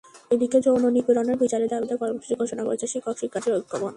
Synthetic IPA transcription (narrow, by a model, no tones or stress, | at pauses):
ed̪iked͡ʑononipuɾoneɾbit͡ɕaɾed̪abid̪akɔɾmoʃu̥t͡ɕiɾɡʱoʃonako̰ɾet͡ɕʰeʃikʰːɔkʃikʰːad͡ʑʰiɾobikʰːopon